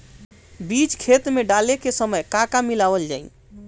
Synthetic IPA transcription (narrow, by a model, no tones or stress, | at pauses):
bit͡ʃkʰet̪meɖalekesəməjkakamilabəld͡ʒa̰i